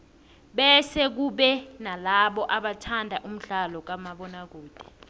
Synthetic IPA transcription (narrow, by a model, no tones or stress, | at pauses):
ɓɛsɛk̬uɓɛnalaɓɔʔaɓatʰandʱaʔum̩ɮalɔk̬amaɓɔnak̬uːd̥ʱi̥